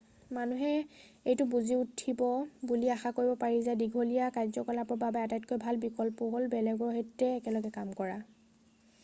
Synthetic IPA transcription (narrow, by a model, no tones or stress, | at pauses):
manuɦɛ | ejtʊbuziutʰːibɔbuliaxakoɹibɔpaɹizajdiɡʱolijakajzɔkɔlapɹɔbabɛatajtkojbʱalbikɔlpɔɦolbɛlɛɡɹɔɦetːɛːkɛlɔɡɛkamkɔɹa